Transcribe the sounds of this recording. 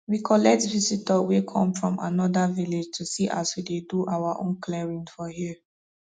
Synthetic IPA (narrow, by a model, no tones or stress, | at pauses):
wikʰɔlɛk̚tvizitəwekʰɔ̃mfɹɔ̃ma̰nɔdaviled͡ʒtʰusiʔa̰swideduʔawaʔõ̰nkʰlɛɹĩnfɔhi